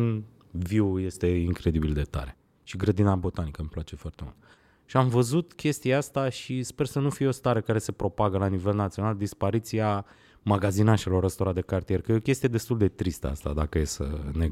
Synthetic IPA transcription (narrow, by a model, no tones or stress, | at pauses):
n | viuje̞st̪e̞iŋkɾe̞d̪ibild̪e̞t̪a̰ɾe̞ | ʃiɡɾəd̪inabo̞t̪anikəmplat͡ʃe̞foart̪e̞mṵlt̪ | ʃiamvəzut̪kʲʰe̞st̪ijast̪aʃispe̞rsənufijeo̞st̪aɾekaɾe̞sepɾo̞paɡəlanive̞lnat̪sio̞nald̪ispaɾit̪sia | maɡazinaʃe̞lo̞ɾəst̪oɾad̪e̞kart̪ije̞rkəjeo̞kʲe̞st̪ijed̪e̞st̪uld̪e̞t̪ɾist̪ə̰a̰st̪a̰d̪akəjesə̰ne